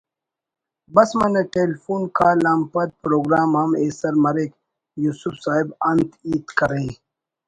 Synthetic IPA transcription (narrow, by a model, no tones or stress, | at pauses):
bɐsmɐneʈeːlfuːnkaːlaːmpɐt̪̚pɾoːɡɾaːmɦɐmeːsɐɾmɐɾek | juːsufsaːɦibɐnt̪iːt̪kɐɾẽ